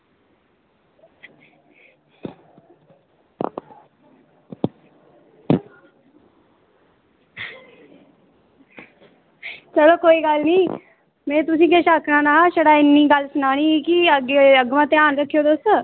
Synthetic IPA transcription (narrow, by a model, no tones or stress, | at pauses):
t͡ʃɐlokoːiːɡalnĩː | mɛ̃ːt̪ʊs̬ĩːkeʃaːkɽãnaɦaʃɐɽaɪnːiɡalsnaːɽ̃ĩkiəɡeəɡmãt̪ẽaːnɾəkʰːijod̪oːsə